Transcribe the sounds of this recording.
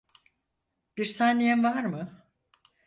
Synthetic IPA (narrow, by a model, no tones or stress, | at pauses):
b̥iɾsaːnejɛmvaɾmɯ